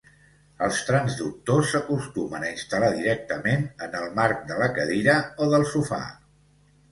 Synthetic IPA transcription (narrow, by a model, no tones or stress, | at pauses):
əlˠst̪ɾanzd̪uk̚t̪osːəkust̪umənəinst̪əlaðiɾɛk̚t̪əmenənəlˠmark̚d̪ələkəðiɾəoðəlˠsufa̰